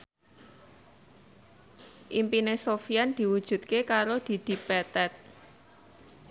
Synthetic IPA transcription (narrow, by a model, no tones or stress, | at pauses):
ʔimpinesofijand̪̥i̤wud̥ʒ̥ṳt̪̚kekaɾod̪̥i̤d̪̥i̤pɛt̪ɛt̪̚